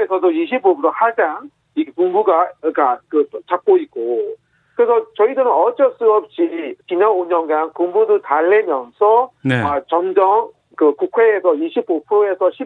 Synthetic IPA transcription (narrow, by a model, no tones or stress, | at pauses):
esʰʌdoiɕʰibopʰɯɾohad͡ʑaŋ | ikekuŋbuɡaik͈akɯt͡ɕak̚k͈oik̚k͈o | kɯɾesʰʌt͡ɕʌidɯɾɯnʌt͡ɕ͈ʌs͈ɯʌp̚ɕ͈it͡ɕiɲʌnoɲʌnɡankuŋbudutaɭːemjʌnsʰʌnat͡ɕʌŋd͡ʑʌŋ | kɯkukʰweːsʰʌiɕʰibopʰɯɾoe̞sʰʌɕʰi